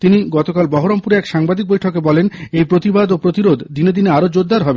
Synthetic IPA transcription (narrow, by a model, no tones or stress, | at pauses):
t̪iniɡɔt̪okalbɔɦoɾompuɾeɛkʃaŋbad̪ik̚bojʈʰokebɔlenejpɾot̪ibad̪opɾot̪iɾod̪d̪ined̪ineaɾod͡ʑoɾd̪aɾɦɔbe